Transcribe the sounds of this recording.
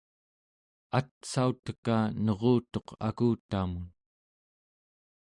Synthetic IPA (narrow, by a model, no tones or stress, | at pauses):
at̪saut̪ə̥kanʌʁoːt̪o̞qa̰kuːt̪amun